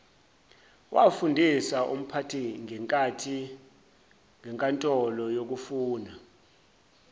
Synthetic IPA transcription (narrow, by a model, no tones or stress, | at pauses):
wa̰fundʱisaʔṵm̩pʰatʰiŋʱɛŋkʼatʰi | ŋɛŋkʼantʼɔlɔjok̬ufuːna